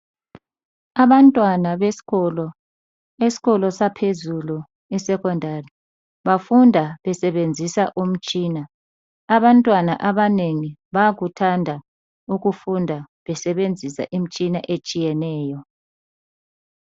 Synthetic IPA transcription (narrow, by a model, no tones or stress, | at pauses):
aβantʼwanaβeɔlɔ | esi̥ɣɔlɔsapʰezulu | ɛsɛkʰɔndʱari | βafundʱaβɛsɛβend͡zʱisaʔum̩t͡ʃʼiːnaː | βantʼwana̰ʔaβaneŋiβaɣutʰandʱa | uɣufundʱa | βɛsɛβend͡zʱisa̰ʔim̩t͡ʃʼinaʔet͡ʃʼijɛnɛːjɔ